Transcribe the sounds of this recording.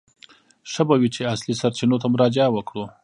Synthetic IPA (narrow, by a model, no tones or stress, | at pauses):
ʂəbawit͡ʃeaslisaɾt͡ʃinot̪amʊɾɑd͡ʒɪawəkɽu